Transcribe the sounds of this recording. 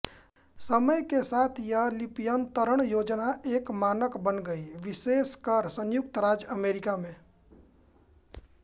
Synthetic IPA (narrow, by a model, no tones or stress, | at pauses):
səməjkesaːt̪ʰjalɪpɪjənt̪əɾəɽ̃joːd͡ʒnaʔeːkmaːnəkbənɡəiʋɪʃeːskaɾsə̃njʊk̚t̪ɾaːd͡ʒəmeːɾɪkamẽː